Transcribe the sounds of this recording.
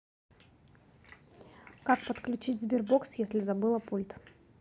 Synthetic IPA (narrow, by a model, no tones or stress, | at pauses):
kakpət̪klʲʉt͡ɕitʲzʲbʲɪrboksjesʲlʲɪzɐbɨlˠəpulʲt̪